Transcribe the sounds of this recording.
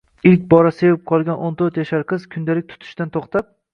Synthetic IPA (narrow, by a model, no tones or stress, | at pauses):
ɪlkʲbɒɾasevɪp̚qʰɒlˠɡʲanʔont̪ʰɵɾt̪jaʃaɾqʰɨz̥kʲʰʊnd̪alɪk̚ʲt̪ʰʊ̥t̪ʰɪ̥ʃt̪ant̪ʰoχt̪ʰap̚